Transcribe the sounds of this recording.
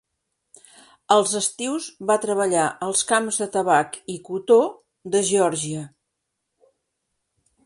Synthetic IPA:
əlˠzəst̪iwzβat̪ɾəβ̞əʎaʔəlˠskamzðət̪əβakikut̪o | d̪əʒiɔɾʒiə

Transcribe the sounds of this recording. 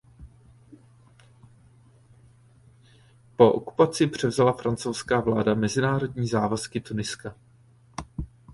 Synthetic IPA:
po̞ʔo̰ku̥pat͡sɪpr̝̥ɛvzalafɾant͡so̞wskaːvlaːdamɛzɪnaːɾo̞dɲiːzaːvaskɪt̪unɪska

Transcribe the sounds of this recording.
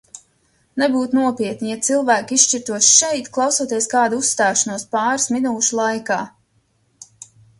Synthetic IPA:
nebuːt̪unuɔpiɛt̪nʲijat̪silˠvæːkisʃt͡ʃiɾt̪uɔsʃɛjt̪klˠɑwsuɔt̪iɛskaːd̪uusːt̪aːʃanuɔspɑːɾsminuːʃulˠajkaː

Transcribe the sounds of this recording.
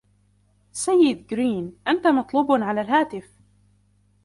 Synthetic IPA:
sajːɪd̪ɡɾiːnʔant̪amɑt̪ˤluːbnʕalaːlɦaːt̪ɪf

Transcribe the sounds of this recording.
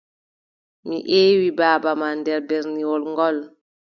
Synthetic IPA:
mḭʔeːwibaːbamandɛɾbɛɾniwɔlŋɡɔl

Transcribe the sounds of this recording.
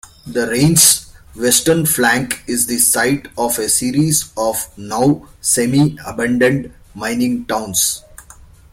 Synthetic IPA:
d̪əɾẽːnsʋɛsʈəɾnflæ̃ŋkɪzd̪isaɪʈɔːʋesiːɾizɔːʋnaʊsemiəbãɳɖə̃ɳɖ | mãɪ̃nɪ̃ŋʈãʊ̃ns

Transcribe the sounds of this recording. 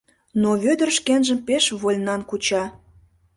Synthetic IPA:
noβød̪ə̆rʃkenʒəmpeʃβolʲnɑnkut͡ɕɑ

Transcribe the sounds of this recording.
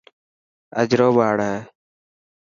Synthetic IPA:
ə̰d͡ʒɾoːɓaːɽeː

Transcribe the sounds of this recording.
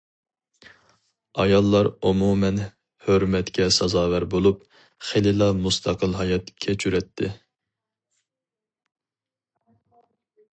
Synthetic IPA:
ɑjɑlˠːɑɾumumɛn | høɾmɛt̪kʲʰɛsɑzɑːwæɾbolˠup | χelɪlˠɑmust̪ʰɑqəlˠɦɑjɑt̪kʲʰɛt͡ʃʰyɾɛt̪ʰːɪ

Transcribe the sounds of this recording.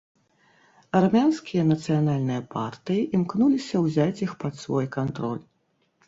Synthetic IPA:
ɐrmʲanskʲijɐnɐt̪sɨjanalʲnɨjɐpa̰rt̪ɨjiʔimknulʲisʲɐwzʲat͡sʲixpɐt̪svɔjkant̪ɾɔ̰lʲ

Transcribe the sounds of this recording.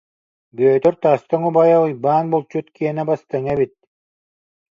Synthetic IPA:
bøːt̪œɾt̪aːst̪ɔŋubajɔʁɯjbaːnbolˠt͡ɕut̪kiɛnɛbast̪aŋɛβit̪̚

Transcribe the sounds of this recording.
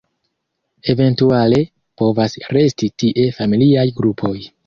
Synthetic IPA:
e̞ve̞ntuale̞ | po̞vasɾe̞stitiʔe̞familiajɡɾupʰo̞j

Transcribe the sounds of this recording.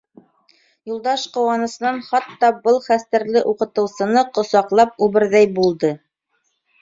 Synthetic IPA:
julˠd̪ɑʃqŏwɑnɤ̆sɤ̆nɑnχɑt̪ːɑbɤlˠχæst̪æɾlɘʔuqɤ̆t̪ɤ̆wsɤ̆nɤqŏsɑqlˠɑp̚ʉβɘ̆ɾðæjbulˠd̪ɤ

